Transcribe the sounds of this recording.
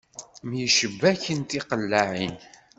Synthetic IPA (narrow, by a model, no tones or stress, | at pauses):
mjiʃəbːæçənt̪iqəlːaʕin